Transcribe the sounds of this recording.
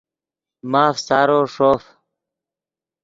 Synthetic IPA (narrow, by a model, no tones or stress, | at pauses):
maːfsaːɾoːʂoːf